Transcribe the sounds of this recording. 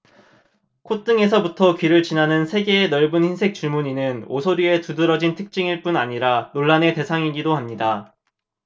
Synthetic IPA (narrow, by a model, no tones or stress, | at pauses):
kʰot͈ɯŋe̞sʰʌbutʰʌkɥiɾɯɭt͡ɕinanɯnsʰe̞ɡeːnʌɭbɯnçinsʰe̞k̚t͡ɕ͈uɭmuɲinɯnosʰoɾie̞tudɯɾʌd͡ʑintʰɯk̚t͡ɕ͈iŋiɭp͈unaɲiɾanoɭːane̞te̞sʰaŋiɡidohamɲida